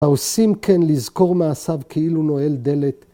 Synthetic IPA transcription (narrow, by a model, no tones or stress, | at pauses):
aosimkʰenlizko̞ʁmaːsavkʰeiluno̞e̞ld̪e̞le̞t̪